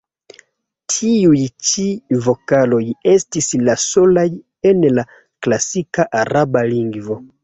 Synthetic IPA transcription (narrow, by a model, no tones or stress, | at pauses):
tʰiujt͡ʃivokalojestislasolaj | enla | klasikaʔaɾabaliŋɡvo